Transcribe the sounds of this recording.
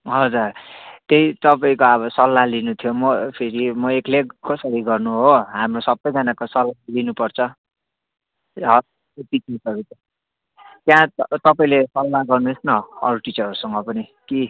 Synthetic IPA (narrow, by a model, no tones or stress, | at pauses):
ɦʌd͡zurt̪eit̪ʌpaĩkoʌβʌsʌlːalinut̪ʰjomʌpʰeɾimʌekleɡkʌsʌɾiɡʌrnuɦoɦamrosʌbːʌjd͡zʌnakosʌlːalinupʌrt͡sʰʌ | ɦʌ | pitisʌkit̪ | t̪jãt̪ʌpaĩlesʌlːaɡʌrnuesnʌʌ̰ɾuʈit͡sʌɾʌɾusʌŋɡʌpʌni | ki